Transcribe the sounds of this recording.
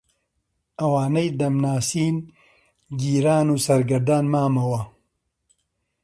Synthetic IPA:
ʔɐwaːnɐjd̪ɐmnaːsiːn | ɡiːɾaːnuːsɐɾɡɐɾd̪aːnmaːmɐwɐ

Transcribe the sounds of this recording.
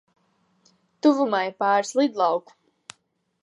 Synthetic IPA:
t̪uvumajpaːɾslˠid̪lˠɑwku̥

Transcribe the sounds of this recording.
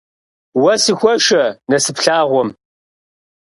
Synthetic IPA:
wɐsɨxʷɔʃɐnɐsɨpɬaːʁʷɔm

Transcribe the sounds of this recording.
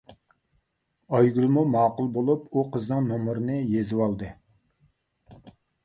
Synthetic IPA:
ɑjɡʲylˠmumɑːqʊlˠbolˠupuqʰəznɨŋnomɾɨnɨjezɪwɑlˠd̪ɨ

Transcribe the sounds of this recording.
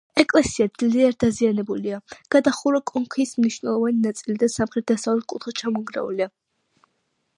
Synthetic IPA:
ɛkʼlɛsiad̪zliaɾd̪azianɛbuliaɡ̥ad̪aχuɾakʼɔŋkʰismniʃwnɛlˠɔvaninat̪sʼilid̪asamχɾɛt̪̚d̪̥asavlɛt̪̚kʼut̪ʰχɛt͡ʃʰamɔŋɡɾa̰ṵlia

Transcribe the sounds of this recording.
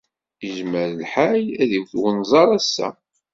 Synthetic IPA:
iʒməɾlħajæðiwθwənzˤɑɾˤæsːæ̰

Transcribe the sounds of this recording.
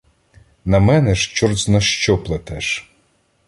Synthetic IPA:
nɐmɛnɛʃt͡ʃɔrsnɐʃt͡ʃɔplˠɐt̪ɛʃ

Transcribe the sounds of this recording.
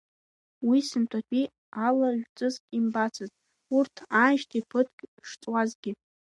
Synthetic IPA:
wisɨntʷʰʼat͡pʲʷʼi | alaʒᶣt͡sʼɨzkʼimbat͡sʰazʼ | urtʰanʃtʰipʰɨtʰkʲʼʂt͡sʼwazɡʲɪ

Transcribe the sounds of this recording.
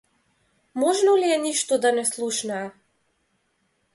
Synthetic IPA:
mɔʒnɔliɛniʃt̪ɔd̪anɛslˠuʃnaː

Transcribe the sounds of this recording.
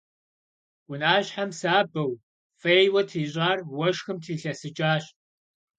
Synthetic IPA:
wʷʊnaːɕħamsaːbɐw | fejwɐtʰiːɕʼaːrwɐʂxɨmtʰiːɬɐsɨt͡ʃʼaːɕ

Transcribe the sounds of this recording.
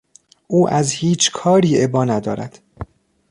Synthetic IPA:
ʔuːʔæzhiːt͡ʃʰkʰɒːɾiːe̞bɒːnæd̪ɒ̰ːɾæ̰d̪̥

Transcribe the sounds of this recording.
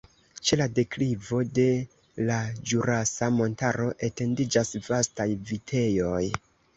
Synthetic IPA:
t͡ʃe̞lade̞klivo̞de̞ | lad͡ʒuɾasamo̞ntaɾo̞ʔe̞te̞ndid͡ʒasvastajvitʰe̞jo̞j

